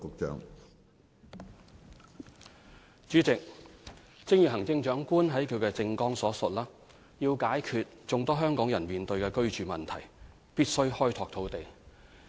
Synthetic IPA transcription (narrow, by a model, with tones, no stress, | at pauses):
kʊ˧k̚t͡ʃœ̰ː˧ŋ | t͡ʃyː˨˥t͡sɪ˨k̚ | t͡sɪ˥ŋjyː˨˩ɦɐ˨˩ŋt͡sɪ˧ŋt͡ʃœː˨˥ŋkuː˥nɦɐ˨˥jkʰɵ˨˧ɥkɛː˧t͡sɪ˧ŋkɔː˥ŋsɔː˨˥sʊ˨t̚laː˥ | jiː˧wkaː˨˥jkʰy˨t̚t͡sʊ˨ŋt̪ɔː˥ɦœː˥ŋkɔː˨˥ŋjɐ˨˩nmiː˨nt̪ɵ˧ɥkɛː˧kɵ˥ɥt͡ʃyː˨mɐ˨˩nt̪ʰɐ˨˩j | piː˥t̚sɵ˥ɥhɔː˥jt̪ʰɔː˧k̚t̪ʰo˨˥wt̪e˨j